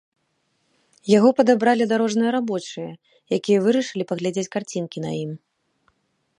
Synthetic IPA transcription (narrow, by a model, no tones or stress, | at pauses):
jaɣɔpɐd̪abɾalʲid̪aɾɔʐnɨjɐɾabɔt͡ʂɨjɐ | jakʲijɐvɨɾɐʂɨlʲipɐɣlʲad͡zʲet͡sʲkart͡sʲinkʲin̪a̰jim